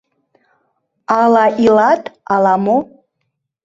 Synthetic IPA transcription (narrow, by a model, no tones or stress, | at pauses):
alaʔiladʼalamo